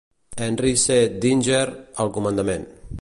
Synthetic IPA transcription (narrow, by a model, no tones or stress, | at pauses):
ɛnrised̪inʲd͡ʒeɾəlˠkumənd̪əmen